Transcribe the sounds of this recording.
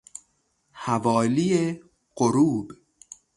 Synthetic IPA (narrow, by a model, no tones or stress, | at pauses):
hævɒːlije | ɢoɾuːb